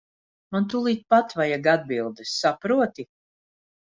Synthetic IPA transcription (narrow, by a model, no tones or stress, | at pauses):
mant̪ulˠiːt̪̚pat̪vajaɡad̪̚bilˠd̪esːapɾuɔt̪i